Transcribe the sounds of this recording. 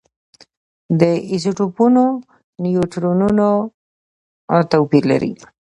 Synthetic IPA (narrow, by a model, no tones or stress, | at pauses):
d̪əizoʈupuno | nijoʈɾonuno | t̪awpiɾla̰ɾḭ